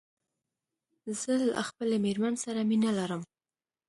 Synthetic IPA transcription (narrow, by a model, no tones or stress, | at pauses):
zəla̰xpəlameɾmansaɾaminalaɾəm